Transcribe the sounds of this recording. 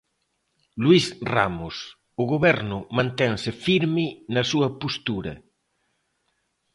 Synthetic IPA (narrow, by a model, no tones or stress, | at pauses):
lwisra̰mʊs | ʊɣoβɛɾnʊmãnt̪ɛŋsɪfiɾmɪnɐsuɐpost̪uɾɐ̰